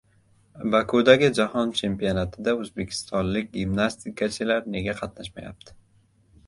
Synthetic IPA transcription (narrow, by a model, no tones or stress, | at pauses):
bakʰod̪aɡʲɪd͡ʒahɒnt͡ʃʰe̞mpijonat̪ʰɪd̪aɵzbe̞kʲʰɪ̥st̪ʰɒnlɪkʲɡʲimnast̪ʰikʰat͡ʃʰɪlaɾne̞ɡʲaqʰɑt̪naʃmaja̰p̚t̪ʰɪ̥